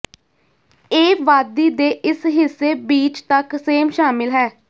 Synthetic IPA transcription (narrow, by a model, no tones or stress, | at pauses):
eːʋaːd̪iːd̪eːʔɪsɦɪsːeːbiːt͡ʃt̪əkseːmʃaːmɪlɦɛː